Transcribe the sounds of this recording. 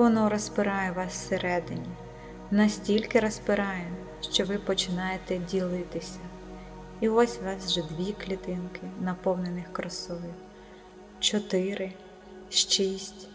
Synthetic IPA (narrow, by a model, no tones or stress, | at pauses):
ʋɔnɔɾɔspɪɾɑjɛʋɑsseɾʔɛd̪ɪnʲi | nɐsʲtʲilʲkɪɾɐspɪɾɑjɛm | ʃt͡ʃɔʋɪpɔt͡ʃɪnɑjet̪ɛdʲilˠɪt̪ɪsʲɐ | iʊʋɑsʲʋɑsʒɛd̪ʋʲiklʲit̪ɪnkɪnɐpɔwnenɪxkɾɐsɔjɪw | t͡ʃɔt̪ɪɾɪ | ʃt͡ʃisʲtʲ